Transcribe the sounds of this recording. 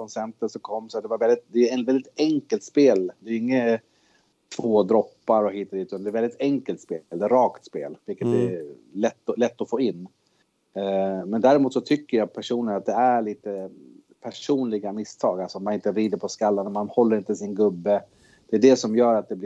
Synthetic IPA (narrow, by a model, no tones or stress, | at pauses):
ɔnsɛnt̪ənsɔkʰɔmːsɔat̪d̪ɛvaɾvɛlɪt̪̚d̪ɛvɛld̪ɪt̪ɛŋkəlt̪speːld̪ɛːɾɪŋːə | t̪ʰv̥oːd̪ɾɔpːaɾɔhiːt̪ɔd̪iːt̪ːand̪ɛɾvɛlɪt̪ɛŋkəlt̪speːld̪ɛːɾɑːkt̪spḛːlvɪlkːət̪ɛ̰lɛt̪ːɔlɛt̪ːɔfoːɪnː | mɛnd̪æːɾɪmuːt̪sɔt̪ʰʏkːəɾjaːpʰæʂuːnənat̪̚d̪ɛæɭiːt̪ə | pʰæʂuːnlɪɡamɪst̪ʰɑːɡalsɔɔmːanɪnt̪əɾiːd̪əɾpʰɔskalːanmanhɔlːəɾɪnt̪əsɪnɡɵbːə | d̪ɛːɖɛsɔmjœːɾat̪̚d̪ɛblɪ